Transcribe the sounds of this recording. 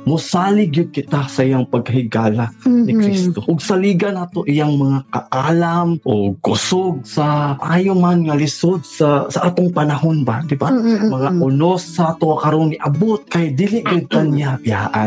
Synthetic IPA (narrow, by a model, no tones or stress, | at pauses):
mʊsaːlɪɡjʊd̪̚kɪt̪asɐʔijaŋpɐɡhɪɡaːlanɪkɾist̪oʔʊɡ̚sɐliːɡɐnaːt̪oʔɪjaŋmɐŋakɐ̰ʔaːlamʔoɡkʊsoɡ̚sɐʔaːjomanŋɐlɪsod̪̚sɐsɐʔaːt̪oŋpɐnɐɦonbad̪ɪbamɐŋaʔʊnosːat̪oakɐɾoŋɪʔɐbot̪̚kajd̪ilɪʔɡʊd̪̚kanjapja̰ːʔa̰n